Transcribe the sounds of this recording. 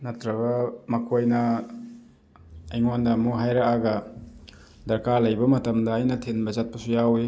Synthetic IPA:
nɐtɾɐɡɐmɐkʰojnɐ | jŋondɐmuɦajɾɐkaɡɐ | dɐɾkaɾlɐjbɐmɐtɐmdɐːjnɐtʰenbɐzat̚pɐsujawi

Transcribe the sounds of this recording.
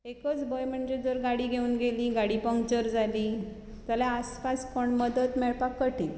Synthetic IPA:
ekət͡sbojm̤əɳd͡ʑed͡zəɾɡaɽiːɡʱeuːnɡeliːɡaɽipəŋkt͡ɕəɾd͡zʱaliː | t̪əljaəspaspəɳməd̪ət̪mɛɭpakːəʈil

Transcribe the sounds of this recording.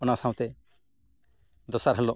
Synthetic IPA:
ɔnasaw̃t̪ɛ | d̪ɔsaɾɦɛlɔ

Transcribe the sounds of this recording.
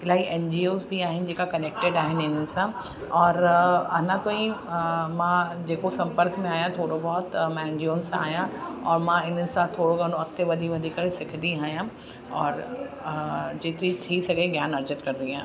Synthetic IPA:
ɪlaːiʔɛnd͡ʒiːoːzbʱiaːɦɪnd͡ʒɪkakɐneːk̚ʈeɖaːɦɪnɪnɪnsã | ɔːɾɐnãt̪oĩmãd͡ʒeːkosɐ̃mpəɾkmẽaːjãt̪ʰoːɽobɔːt̪mɛ̃nd͡ʒioːnsa̰ːjãɔːɾmãɪnɪnsat̪ʰoːɽoɡɐnõɐkt̪eʋɐd̪ʱiʋɐd̪ʱikɐɽesɪkʰd̪iaːjã | ɔːɾ | d͡ʒeːt̪ɾiʈʰiːsɐɡeɡjaːnɐɾd͡ʒət̪kɐɾd̪iãː

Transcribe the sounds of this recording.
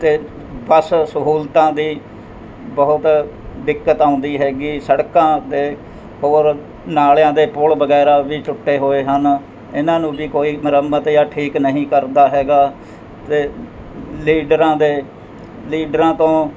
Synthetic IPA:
t̪eː | bəssəɦuːlt̪ãːd̪iː | bəɦʊt̪ | d̪ɪkːət̪aːʊ̃nd̪iːɦɛːɡiːsəɽkãːd̪eː | hoːɾ | naːljãːd̪eːpʊlbəɡɛːɾaːʋiːʈʊʈːeːɦoːeːɦən | ɪnãːnũːbiːkoːiːməɾəmbət̪jaːʈʰiːknəɦĩːkəɾd̪aːɦɛːɡaː | t̪eː | liːɖɾãːd̪eː | liːɖəɾãːt̪õː

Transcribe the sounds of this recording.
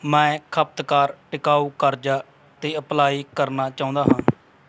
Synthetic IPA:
mɛ̃ːkʰəp̚t̪kaːɾʈɪkaːuːkəɾd͡ʒaː | t̪eːəplaːiːkəɾnaːt͡ʃaːʊ̃ːnd̪aːɦãː

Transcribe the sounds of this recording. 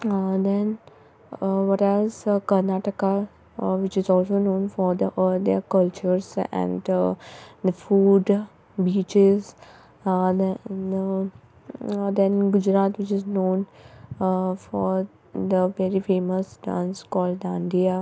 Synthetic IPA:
d̪ɛ̃n | ʋʌʈɛzkəɾnaːʈəka | ʋɪt͡ʃɪzɔːlsonõːnfɔɾd̪əʔəɾd̪ekʌlt͡ʃəɾzɛ̰̃ɳ | d̪əfuːɖ | biːt͡ʃɪz | d̪ | d̪ɛ̃nɡʊd͡ʒɾaːt̪ʋɪt͡ʃɪznõːn | fɔɾ | d̪əʋɛɾifeːməsʈã̰nskɔːlɖãɳɖia

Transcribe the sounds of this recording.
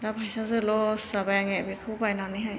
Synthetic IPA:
dabʱajsazɯlɔsz̥abajaŋeabikʰɯbajnanɯjɦaj

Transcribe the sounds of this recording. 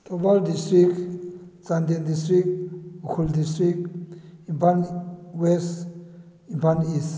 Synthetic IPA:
t̪ʰobaldistɾikt͡sand̪end̪istɾik̚ukʰuldistɾikimpʰanwes | impʰanis

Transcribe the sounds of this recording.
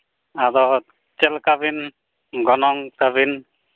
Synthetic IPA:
adɔ | t͡ʃɛlkabin | ɡɔnɔŋtabin

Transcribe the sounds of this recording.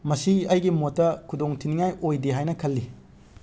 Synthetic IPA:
mɐsiɐjɡimotːɐkʰudoŋtʰiniŋajojdiɦajnɐkʰɐlːi

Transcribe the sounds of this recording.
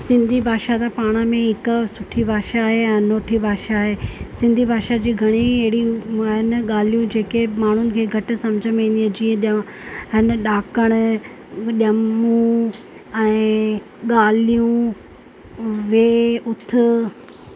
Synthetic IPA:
sɪ̃nd̪ʱibʱaːʃat̪ʰapaːɽ̃əmẽɦɪkʊsʊʈʰibʱaːʃaːɦeɛ̃ːnoːʈʰibʱaːʃaːɦeːsɪ̃nd̪ʱibʱaːʃad͡ʑiːɡʱɐɽ̃iɐɦɪɽiɦɪnɠaːlijũd͡ʑeːkemaːɳ̤ʊnɪ̆kʰeːɡʱɐʈɪ̆sɐ̃md͡ʑʱəmẽniə̃d͡ʑiːə̃ɗjã | ɦɪnɗaːkəɽ̃ʊ̆ | ɗɐmũ | ɛ̃ː | ɠaːlijũ | ʋeːʊt̪ʰʊ̆

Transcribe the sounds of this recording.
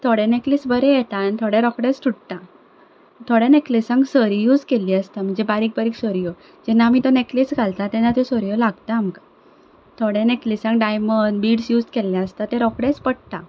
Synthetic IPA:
t̪ʰoɽẽneklisbəɾɛjɛt̪anit̪ʰoɽeɾɔkɽesʈ̪ʰuɽt̪a | t̪ʰoɽeneklisãŋɡsəɾijuːd͡zkeliːəst̪am̤əɳd͡zebaɾiːk̚baɾiːksəɾijo | d͡ʑɛnːamit̪ɔneklisɡʱalt̪at̪ɛnːat̪jɔsɔɾjɔlaɡt̪aːmka | t̪ʰoɽeneklisãŋɡɖajməɳɖbiːɽsjuːd͡zkelːjaəst̪at̪ẽɾɔkɽẽspəɽt̪a

